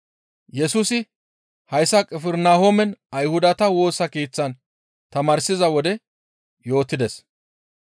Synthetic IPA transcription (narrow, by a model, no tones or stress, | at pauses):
jɛsuːsɪ | hɐjsɐkʼɛfɛɾnaːhomɛnɐjhʊd̪ɐt̪ɐwo̞ːsɐkiːt͡sːɐn | t̪ɐmaːɾsɪzɐwɔd̪ɛ | jo̞ːt̪ːɪd̪ɛs